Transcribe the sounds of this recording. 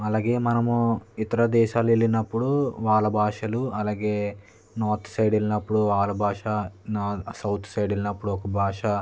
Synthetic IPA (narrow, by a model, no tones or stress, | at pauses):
ɐlaːɡe̞ːmɐnɐmuit̪ɐɾɐd̪ɛːʃaːlelːinɐpːuɽuʋaːlɐbʱaːʂɐluɐlaːɡeː | naːɾt̪ʰsɐjɖelinɐpːuɽuʋaːlɐbʱaːʂɐnaːsɐwt̪ʰsɐjɖelinɐpːuɽuɔkɐbʱaːʂɐ